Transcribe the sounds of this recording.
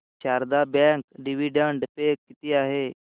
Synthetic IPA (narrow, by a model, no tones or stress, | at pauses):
ʃaːɾd̪abɛ̃ŋkɖiʋiɖəɳɖpeːkːɪt̪iaːɦeː